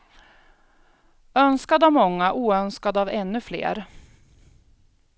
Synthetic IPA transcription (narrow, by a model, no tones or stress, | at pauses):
œnskad̪avmɔŋːaʔuːœnskad̪avɛnːɵflḛːɾ